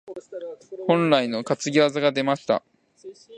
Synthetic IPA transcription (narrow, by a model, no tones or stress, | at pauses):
hõ̞nɾaino̞kat͡sɨɡʲiβazaɡad̪e̞maɕi̥t̪a̰